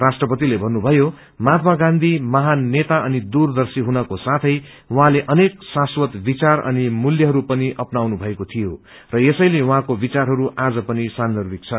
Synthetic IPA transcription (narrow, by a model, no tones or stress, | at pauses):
rasʈrʌpʌt̪ilebʱʌnːubʱʌjo | mat̪maɡãnd̪ʱimʌɦanːet̪aʌnid̪urd̪ʌrsiɦunʌkosat̪ʰʌj | wuɦãleʔʌneksaswʌt̪bit͡sarʌ̰nimuljʌɦʌɾupʌniʔʌpnawnubʱʌekot̪ʰijo | rʌjesʌjlewɦãkobit͡sarɦʌɾuʔad͡zʌpʌnisand̪ʌrbik̚t͡sʰʌ